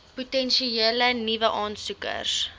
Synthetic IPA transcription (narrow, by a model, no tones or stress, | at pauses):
putɛnʃieːlənivəʔɑːnsukə̰rs